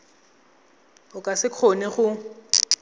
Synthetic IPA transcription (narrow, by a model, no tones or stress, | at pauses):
ʊkʼasɪkʰonɪχʊ